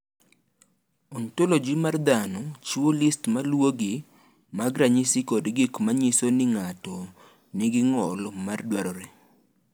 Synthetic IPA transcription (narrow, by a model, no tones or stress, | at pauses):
ɔntolod͡ʒimard̪anɔt͡ʃwolistmalwoɡɪ | maɡɾaɲɪsikodɡɪkmaɲɪsonɪŋatɔ | nɪɡɪŋɔlmardwaɾɔɾe